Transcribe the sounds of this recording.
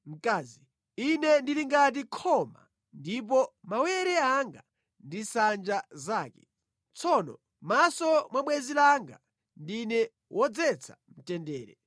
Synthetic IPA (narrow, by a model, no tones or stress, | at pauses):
m̩kaːzi | inɛndiliŋɡat̬ikʰɔma̰ | ndip̬ɔmawɛɾɛaŋɡa | ndisand͡ʒazaːkɛ | t͡sʰɔnɔ | masɔmwaɓwɛzilaŋɡa̰ | ndinɛ | wʔɔd͡zɛt͡sʰa | m̩tɛndɛːɾɛ